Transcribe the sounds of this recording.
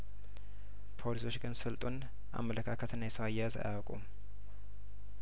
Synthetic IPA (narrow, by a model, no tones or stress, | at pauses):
pʰo̞liso̞t͡ʃːɡɨnsɨlt̪ʼun | ʔa̰mːələkʰakʰət̪ɨnːajɛsəwajɛjaza̰jawəkʼum